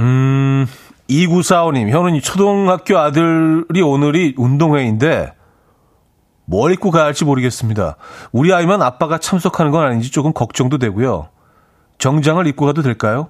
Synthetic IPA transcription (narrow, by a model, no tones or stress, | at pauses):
ɯ | iɡusʰaoɲimçjʌnɯnit͡ɕʰodoŋhak̚k͈joadɯɾionɯɾiundoŋɦwe̞inde̞ | mwʌɾik͈uɡaːɭt͡ɕ͈imoɾɯɡe̞s͈ɯmɲida̰uɾiaimanap͈aɡat͡ɕʰams̬ʰʌkʰanɯnɡʌnaɲind͡ʑit͡ɕ͈okɯmkʌk̚t͡ɕ͈ʌŋdodwe̞ɡujo̰ | t͡ɕʌŋd͡ʑaŋɯɾik͈uɡadodwe̞ɭk͈ajo